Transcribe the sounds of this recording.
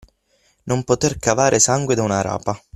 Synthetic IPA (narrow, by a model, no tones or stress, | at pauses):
nompot̪erkavaːɾʔɪsaŋɡwed̪aunaɾa̰ːpa